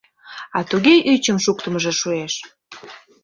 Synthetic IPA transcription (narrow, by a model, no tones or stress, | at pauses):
ɑt̪uɣeʔyt͡ɕəmʃuk̚t̪əməʒeʃueʃ